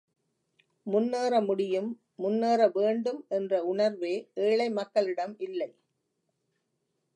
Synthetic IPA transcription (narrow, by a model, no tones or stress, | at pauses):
mʊnːeːɾɐmʊɽɪjɯmː | ʊnːeːɾɐʋeːɳɖɯmɛndrɐʊɳɐɾʋeːʔeːɭɐɪmɐkːɐɭɪɽɐmɪlːɐɪ